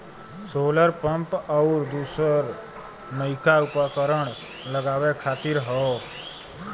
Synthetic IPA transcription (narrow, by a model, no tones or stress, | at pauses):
soːləɾpəmpəɾd̪usəɾ | nəikaupakəɾəɳ̃ | ləɡaːʋekʰaːt̪iɾɦɔo